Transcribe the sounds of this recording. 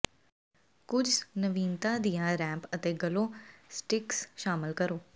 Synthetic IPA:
kʊd͡ʒnəʋiːnt̪ãːd̪ijãːɾɛ̃ːpət̪eːɡəloːsʈɪksʃaːmɪlkəɾoː

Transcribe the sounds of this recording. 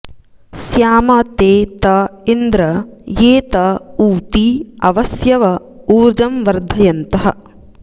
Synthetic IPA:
sjaːmɐt̪eːt̪ɐind̪ɾɐjeːt̪ɐuːt̪iɐʋɐsjɐʋɐ | uːɾd͡ʒɐmʋɐɾd̪ʱɐjɐnt̪ɐɦɐ̆

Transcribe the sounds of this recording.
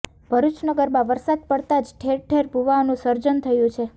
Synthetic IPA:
b̥ʱəɾut͡ʃnəɡəɾmãʋəɾsad̪̚pəɽt̪ad͡ʒʈʰeɾʈʰeɾbʱuʋaonũsəɾd͡ʒənt̪ʰəjũt͡ʃʰe

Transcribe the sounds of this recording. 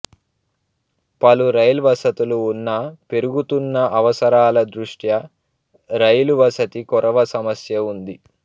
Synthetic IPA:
pɐluɾɐjlʋɐsɐt̪uluːnːɐpe̞ɾuɡut̪unːɐʔɐʋɐsɐɾaːlɐd̪ɾuʂʈjɐ | ɾɐjluʋɐsɐt̪ikɔɾɐʋɐsɐmɐsjɐund̪i

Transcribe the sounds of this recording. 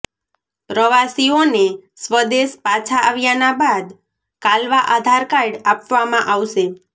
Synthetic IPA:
pɾəʋasionesʋəd̪eʃpat͡ʃʰaʔaʋjanabad̪ | kalʋaʔad̪ʱaɾkajɽapʋamãʔaʋʃe

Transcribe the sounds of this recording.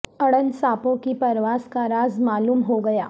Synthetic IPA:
əɽənsaːpõkipəɾʋaːskaɾaːzmaːluːmɦoɡɐjaː

